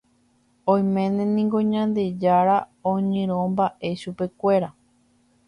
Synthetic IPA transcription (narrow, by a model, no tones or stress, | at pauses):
õj̃mẽnẽnĩŋɡo̞ɲãnd̪e̞d͡ʒaɾaõɲẽɾ̃õmbaʔe̞ʃupe̞kʷe̞ɾa